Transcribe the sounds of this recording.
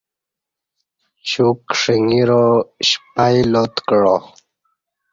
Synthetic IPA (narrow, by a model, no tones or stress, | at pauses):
ɕukʂiŋiɾoɕpajlot̪kɽo̰